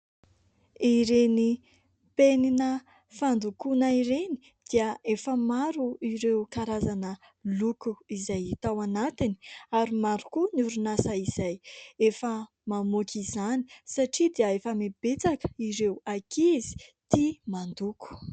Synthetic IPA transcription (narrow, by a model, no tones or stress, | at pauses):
iɾeni | peninə | fand̪ukunəiɾeni̥ | d̪̥iəefəmaɾuiɾewkaɾazanə | lukuizajt̪awanat̪iniaɾimaɾukunuɾunasaizajefə | mamokizani̥saʈ͡ʂid̪iəefəmeb̥et͡sakə̥iɾewakizi̥t̪imand̪uku̥